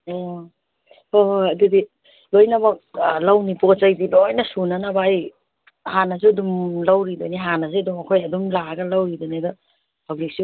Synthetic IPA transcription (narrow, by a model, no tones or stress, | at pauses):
o | oɦoɐdudi | lojnabɐk̚lawnipot͡ʃɐjdilojnɐsunanabaj | hanas̬uɐdumlawɾidɔniɦanas̬eɐdumɐkʰojɐdumlaɡɐlawɾidɔnidɔ | hawnik̚si